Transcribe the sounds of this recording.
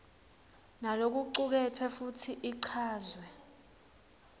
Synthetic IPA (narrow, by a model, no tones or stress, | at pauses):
nalok̬uǃuk̬ɛtʰwɛfutʰiʔiǀʰaːzwɛ